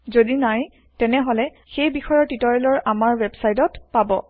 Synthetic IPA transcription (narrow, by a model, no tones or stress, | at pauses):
zodinaj | tɛnɛɦolɛ | xejbixɔjɔɹtitɔɹɛlɔɹʔamaɹwɛbsajtɔtpabɔ̰